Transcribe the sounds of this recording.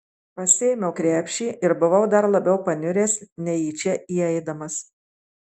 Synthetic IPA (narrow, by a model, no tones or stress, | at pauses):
pɐsʲɪjmʲɛʊkɾʲæːpʲʃʲiːʔɪɾbʊʋɐʊd̪ɐɾlˠɐbʲɛʊpɐnʲʊɾʲeːsnʲɛiːt͡ʃʲɛiːɛɪd̪ɐmɐs